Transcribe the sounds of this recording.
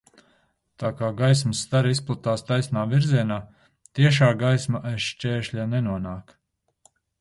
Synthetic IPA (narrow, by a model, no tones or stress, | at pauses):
t̪aːkaːɡajs̬məsːt̪aɾisplˠut̪aːst̪ajsnaːviɾziɛnaː | t̪iɛʃaːɡajsmaʔajʃt͡ʃʲɛːʃlʲanɛnuɔnaːk